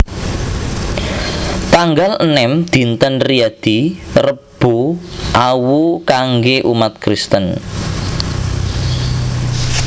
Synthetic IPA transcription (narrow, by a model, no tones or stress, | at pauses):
t̪aŋɡalənɛmd̪̥i̤nt̪ənriad̪̥irəb̥uʔawukaŋɡeʔumat̪̚kɾist̪ən